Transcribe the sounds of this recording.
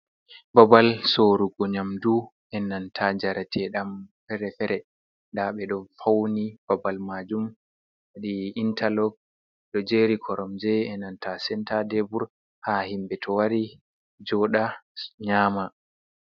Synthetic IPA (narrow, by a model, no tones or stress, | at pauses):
babalsoːɾuɡɔɲamdu | ɛnːantʰad͡ʒaɾatʰɛɗamfɛɾɛfɛɾɛ | ndaɓɛɗɔnfawnib̥abalmad͡ʒum | waɗiintʰalɔɡ̚ | ɗɔd͡ʒeːɾikʰɔɾɔmd͡ʒɛɛnantasɛntadebuɾ | hahimbɛtʰɔwaɾi | d͡ʒɔɗaɲaːma